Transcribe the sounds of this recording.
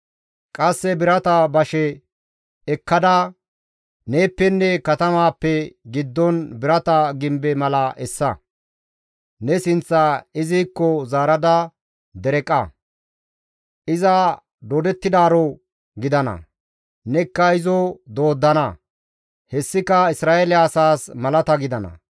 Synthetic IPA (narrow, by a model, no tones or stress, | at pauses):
kʼɐsːɛbɪɾɐt̪ɐbɐʃɛ | ɛkːɐd̪aː | neːpːɛnːɛkɐt̪ɐmaːpːɛɡɪd̪ːɔnbɪɾɐt̪ɐɡɪmbɛmɐlɐʔɛsːɐ | nɛsɪnt͡sːɐɪziːkːɔzaːɾɐd̪ɐ | d̪ɛɾɛkʼːɐ | ʔɪzɐ | d̪od̪ɛt̪ːɪd̪aːɾɔ | ɡɪd̪ɐnɐ̰ | nɛkːɐɪzɔd̪o̞ːd̪ːɐnɐ | hɛsːɪkɐɪsɾaːelɪɐsaːsmɐlɐt̪ɐɡɪd̪ɐnɐ̰